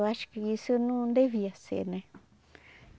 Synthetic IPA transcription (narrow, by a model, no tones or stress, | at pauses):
aʃi̥kekisunũnd̪eβiasḛnẽ